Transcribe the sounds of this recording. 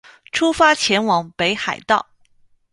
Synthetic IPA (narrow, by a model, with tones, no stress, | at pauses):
ʈ͡ʂʰu˥fa˥t͡ɕʰjɛ˧˥nwɑ˧˥ŋpe˧˥ɪxa˨˩ɪt̪ɑ˥˩ʊ